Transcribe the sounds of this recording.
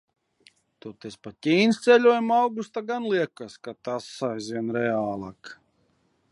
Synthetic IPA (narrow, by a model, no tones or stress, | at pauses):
t̪ɔt̪espat̪ʲiːnst̪sɛlʲuɔjamawɡust̪aɡanlˠiɛkaskat̪asːajzvʲiɛnɾɛaːlˠaːk